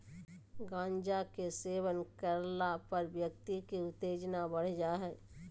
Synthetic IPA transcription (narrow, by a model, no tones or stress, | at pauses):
ɡãːɲd͡ʒakeseːwənkəɾlapəɾbjək̚t̪ikiʊt̪ːeːd͡ʒnabəɽ̤d͡ʒaːɦɛː